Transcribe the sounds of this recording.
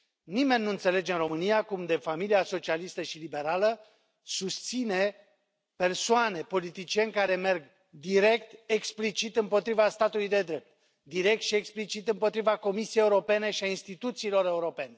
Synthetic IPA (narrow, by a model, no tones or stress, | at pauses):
nime̞nːuɨnt̪se̞le̞d͡ʒe̞ɨnro̞mɨnijakumd̪e̞familiaso̞t͡ʃialist̪əʃilibe̞ɾalə | sust̪sine̞ | pe̞rsoane̞po̞lit̪it͡ʃie̞nʲkaɾe̞merɡ | d̪iɾe̞k̚t̪eksplit͡ʃit̪ɨmpo̞t̪ɾivast̪at̪ulujd̪e̞d̪ɾe̞p̚t̪̚ | d̪iɾe̞k̚t̪ʃie̞ksplit͡ʃit̪ɨmpo̞t̪ɾivako̞misijejeuɾo̞pe̞ne̞ʃiainst̪it̪ut̪siːlo̞ɾe̞uɾo̞pe̞ne̞